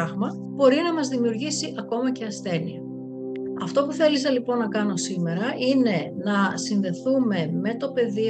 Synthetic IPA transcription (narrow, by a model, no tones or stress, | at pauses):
ɐɣmɐ | b̥o̞ɾinɐmɐzðimiuɾʝisiʔɐko̞mɐceɐsθe̞niɐ | ɐft̪o̞puθe̞lis̬ɐlipo̞nːɐkɐno̞sime̞ɾɐʔine̞nɐsinðe̞θume̞me̞t̪o̞pe̞ði